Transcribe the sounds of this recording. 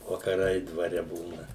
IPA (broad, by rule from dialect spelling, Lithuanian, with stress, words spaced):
ʋɐkɐˈrɐɪ dʋɐˈrʲɛ ˈbuːnɐ